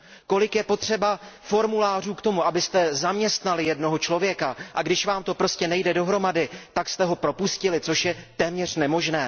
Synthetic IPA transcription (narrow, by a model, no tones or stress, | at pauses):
ko̞lɪkjɛpo̞t̪r̝̥ɛbafo̞ɾmulaːr̝uːkt̪o̞muʔabɪst̪ɛzamɲɛst̪nalɪjɛdno̞ɦo̞t͡ʃlo̞vjɛkaʔaɡdɪʃvaːmt̪o̞pɾo̞scɛnɛjdɛdo̞ɦɾo̞madɪt̪akst̪ɛɦo̞pɾo̞puscɪlɪt͡so̞ʃjɛt̪ɛːmɲɛr̝̥nɛmo̞ʒnɛː